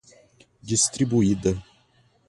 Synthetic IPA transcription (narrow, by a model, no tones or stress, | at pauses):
dʲist̪ɾʲibuid̪ə